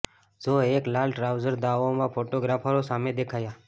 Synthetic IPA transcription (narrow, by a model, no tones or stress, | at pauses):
zoːeːklaːlʈɾaːʊzəɾd̪aːʋõmãpʰoːʈoɡɾaːpʰaɾosaːmẽd̪ekʰaːjaː